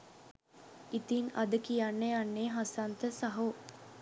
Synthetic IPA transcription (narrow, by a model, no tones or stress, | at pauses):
it̪iŋɐd̪əkijanːeanːeːɦasant̪əsaɦo